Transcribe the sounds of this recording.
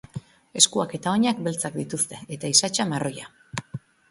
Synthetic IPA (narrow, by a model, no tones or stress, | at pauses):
e̞skuake̞t̪ao̞ɲak̚be̞lt͡sakd̪it̪ust̪e̞et̪aisat͡ʃamaro̞ja